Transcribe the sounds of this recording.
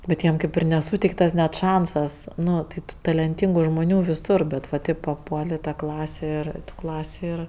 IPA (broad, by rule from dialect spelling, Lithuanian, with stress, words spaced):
bʲɛt ˈjiɛm ˈkɐɪp ɪr nʲɛˈsuːtʲɛɪktɐs nʲɛt ˈʃɐnsɐs ˈnʊ tɐɪ ˈtuː tɐlʲɛnʲˈtʲiːŋɡʊ ʒmʊˈnʲuː ʋʲɪˈsʊr ˈbʲɛt ʋɐ ˈtɐɪp pɐˈpuɔlʲ ɪ tɐ ˈklˠɑːsʲeː ˈɪr ˈklˠɑːsʲeː ɪr